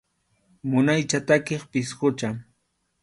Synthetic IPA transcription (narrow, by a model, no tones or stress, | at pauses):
mʊnajt͡ʃat̪akeχpɪshʊt͡ʃaŋ